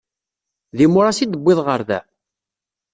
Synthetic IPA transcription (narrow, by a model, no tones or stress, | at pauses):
ðimʊɾˤasid̪əbʷːɪðˤʁəɾðæ̰